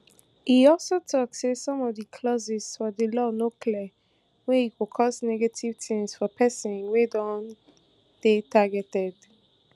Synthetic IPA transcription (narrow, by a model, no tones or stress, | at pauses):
hiɔlˠsotʰɔksesɔ̃mɔvdəkʰlɔzɪz̥fɔðəlɔnokliə | wɛhikokʰɔsnɛɡativ̥tʰĩŋsfɔpʰɛsɔ̃nwedɔ̃n | d̥etʰaɡɛtɛd̥